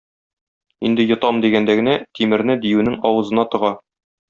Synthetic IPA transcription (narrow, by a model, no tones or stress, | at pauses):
ind̪ɘjŏt̪ɑmd̪iɡænd̪æɡɘ̆næt̪ʰimɘ̆ɾnɘd̪ijʉnɘŋɒwɤ̆zɤ̆nɑt̪ɤ̆ʁɑ